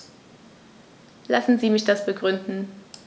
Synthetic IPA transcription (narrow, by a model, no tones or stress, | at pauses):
lasn̩ziːmɪçd̥asb̥əɡʁʏndn̩